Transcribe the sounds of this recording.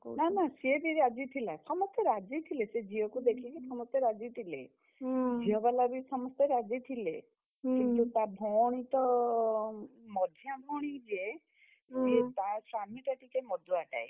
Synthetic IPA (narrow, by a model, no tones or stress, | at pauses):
nanasiebiɾɾad͡ʒit̪ʰilasɔmɔst̪eɾad͡ʒit̪ʰilesed͡ʒiɔkud̪ekʰikisɔmɔst̪jeɾad͡ʒit̪ʰilḛ | d͡ʒiɔbalabisɔmɔst̪eɾad͡ʒit̪ʰile | kĩnt̪ut̪abʱɔɽ̃it̪ɔ | mɔd̪ʱjabʱɔɽ̃id͡ʒe | d͡ʒet̪asɾamiʈ̪aʈikemɔd̪ʱuaʈa̰e